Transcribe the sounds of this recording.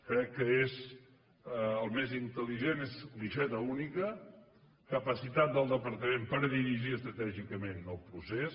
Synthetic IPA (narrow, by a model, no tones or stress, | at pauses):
kɾɛkːəez | əlˠmezint̪əliʒenezliʃɛt̪əunikə | kəpəsit̪at̪̚d̪əlˠd̪əpəɾt̪əmempəɾðiɾiʒiəst̪ɾət̪ɛʒikəmenəlˠpɾuses